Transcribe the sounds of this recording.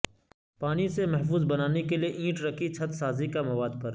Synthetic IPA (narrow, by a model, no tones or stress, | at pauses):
paːnisemɐɦfuːzbɐnaːnekelieʔĩːʈɾɐkʰit͡ʃʰɐt̪saːzikamɐʋaːd̪̚pɐɾ